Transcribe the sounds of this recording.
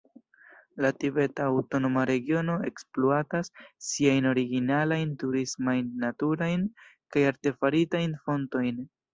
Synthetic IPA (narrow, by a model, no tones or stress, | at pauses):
latibe̞taːwto̞no̞maɾe̞ɡio̞no̞e̞̰ksploatasːiajno̞ɾiɡinalajntuɾismajnːatuɾajnkajaɾte̞faɾitajnfo̞nto̞jn